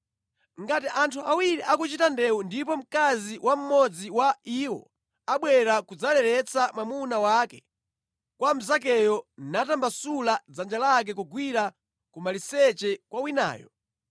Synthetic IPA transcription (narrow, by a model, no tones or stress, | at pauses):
ŋɡatiʔantʰuawiɾiʔakut͡ʃitandɛundipɔm̩kaziwʔam̩mɔd͡ziwaiwɔ̰ | aɓwɛɾakud͡zalɛɾɛt͡samwamunawakɛ | kwam̩zak̬ɛjɔnatambasulad͡zand͡ʒalak̬ɛkuɡwiɾa | kumalisɛt͡ʃɛkwawina̰ːjɔ̰